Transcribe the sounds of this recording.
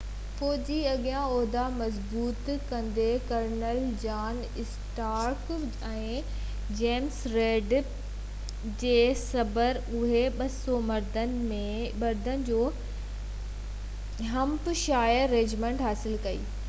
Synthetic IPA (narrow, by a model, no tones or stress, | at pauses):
fɔːd͡ʑiɐɠijãɔːɦd̪amɐzbuːt̪kɐ̃nd̪ekɐɾnəld͡ʑaːn | ɪsʈaːɾk | ɛ̃ː | d͡ʑeːmsɾeːɖ | d͡ʑeːsɐbəɾ | ʊɦeɓɐsɔmɐɾd̪ənɪ̆mẽmɐɾd̪ʱənɪ̆d͡ʑoː | ɦɐmpʃaːjəɾːeːd͡ʑmẽːɳʈɦaːsɪlkɐḭː